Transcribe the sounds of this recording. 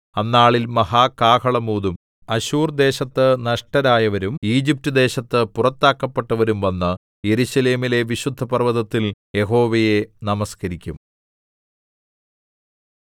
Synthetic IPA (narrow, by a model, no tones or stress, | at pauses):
ɐnːaːɭilmɐɦaːkaːkʰɐɭɐmuːd̪um | ɐɕuːrd̪e̞ːɕɐt̪ːɨnɐʂʈɐɾaːjɐʋɐɾumiːd͡ʑip̚tɨd̪e̞ːɕɐt̪ːɨpurɐt̪ːaːkːɐpːeʈːɐʋɐɾumʋɐnːɨ | je̞ɾuɕɐle̞ːmile̞ʋiɕud̪ʱːɐpɐrʋɐðɐt̪ːilje̞ɦo̞ːʋɐje̞nɐmɐskɐɾikʲːum